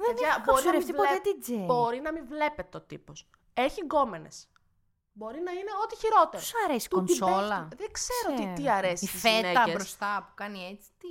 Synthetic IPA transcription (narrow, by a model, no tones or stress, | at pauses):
ɐboɾinɐɾemft̪ilet̪ibo̞ɾinɐmivle̞pe̞t̪eot̪ḭpo̞s | e̞çiŋɡo̞me̞nes | bo̞ɾinɐine̞o̞t̪içiɾo̞t̪eɾɐɾesi̥konsolɐðeɡseɾoot̪it̪iɐɾesiizfeneɐeɾost̪ɐpu̥kɐniet͡si̥t̪i